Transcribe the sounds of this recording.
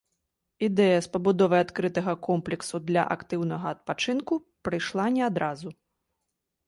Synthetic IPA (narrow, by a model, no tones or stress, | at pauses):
id̪ɛjɐspɐbud̪ɔvɐjat̪kɾɨt̪ɐɣɐkɔmplʲɛksud̪lʲɐ̰ʔa̰kt̪ɨwn̪ɐɣɐɐt̪̚pat͡ʂɨnku | pɾɨjʂlˠanʲɛad̪ɾazu